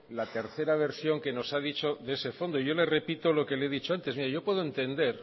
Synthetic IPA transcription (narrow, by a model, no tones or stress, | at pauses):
lat̪e̞ɾθe̞ɾaβ̞e̞ɾsjo̞ŋke̞no̞saðit͡ʃo̞ðese̞fo̞nd̪oiʝo̞le̞re̞pit̪o̞lo̞ke̞leeðit͡ʃo̞ant̪e̞zmiɾajo̞pwe̞ð̞oent̪e̞nd̪e̞ɾ